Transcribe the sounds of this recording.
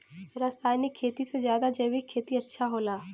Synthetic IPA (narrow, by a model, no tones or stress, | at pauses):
ɾaːsaːjnɪkʰːeːt̪isezjaːd̪ad͡ʒɐːwikʰːeːt̪iɐtːʃʰaɦoːlaː